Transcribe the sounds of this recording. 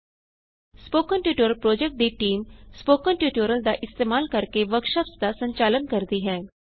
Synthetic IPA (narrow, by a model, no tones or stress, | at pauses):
spoːkənʈjuːʈoːɾəlpɾoːd͡ʒɛk̚ʈ̚d̪iːʈiːmspoːkənʈjuːʈoːɾəld̪a̰ːʔɪst̪eːmaːlkəɾkeʋəkʃəpsd̪aːsəɲt͡ʃaːlənkəɾd̪iːɦɛː